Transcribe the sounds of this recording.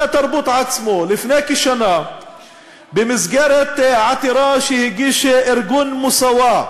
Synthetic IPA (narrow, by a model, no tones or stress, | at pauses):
at̪ɑɾˤbuːt̪ˤʕasmulɪfneːkiʃana | bɪmɪzɡaɾˤat̪ʕat̪ɪɾˤɑːʃihɪɡiʃʔɪɾɡunmʊsawa